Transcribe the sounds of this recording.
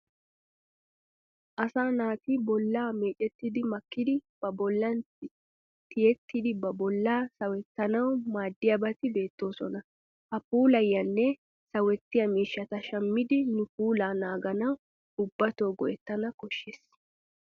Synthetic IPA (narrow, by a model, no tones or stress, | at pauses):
ʔɐsaːnaːt̪ɪbɔlːaːme̞ːt͡ʃʼɛt̪ːɪd̪ɪmɐkːɪd̪ɪb̥ɐbɔlːɐntɪ | t̪ɪjɛt̪ːɪd̪ɪbɐbɔlːaːsɐwɛt̪ːɐnɐwmaːd̪ːɪjɐbɐt̪ɪbe̞ːt̪ːo̞ːsɔnɐ | ʔɐpuːlɐjːɐnːɛ | sɐwɛt̪ːɪjɐmiːʃːɐt̪ɐʃɐmːɪd̪ɪnʊpuːlaːnaːɡɐnɐw | ʊbːɐt̪oːɡɔʔɛt̪ːɐnɐkɔʃːes